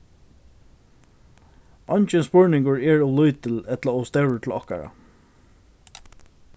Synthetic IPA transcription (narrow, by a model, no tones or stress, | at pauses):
ɔɲt͡ʃɛnspʊɹnɪŋkʊɹɛɹɔlʊjt̪əlɛt̪laɔst̪ɛwɹət̪ʰl̩ɔhka̰ɹa̰